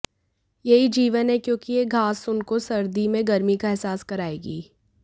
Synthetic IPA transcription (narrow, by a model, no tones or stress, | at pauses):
jɐɦid͡ʒiːʋənɦɛkjõːkieːɡʱaːsʊnkosɐɾd̪imẽɡɐɾmikaɛɦsaːskɐɾaːeːɡiː